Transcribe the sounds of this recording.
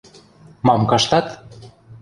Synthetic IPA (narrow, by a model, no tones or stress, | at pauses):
mɑmkɑʃt̪ɑt̪